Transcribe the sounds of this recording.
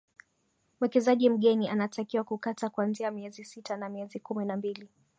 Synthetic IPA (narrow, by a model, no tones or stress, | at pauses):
m̩wɛkɛzaʄim̩ɠɛnianatakiwakukatakwanziamiɛzisitanamiɛzikuminambili